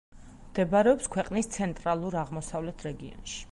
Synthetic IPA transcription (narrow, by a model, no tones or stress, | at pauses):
md̪̥ɛbaɾɛɔpskʰwɛqʼnist̪sʰɛnt̪ʼɾalˠuɾaʁmɔsavlɛt̪ʰɾɛɡiɔ̰nʃi̥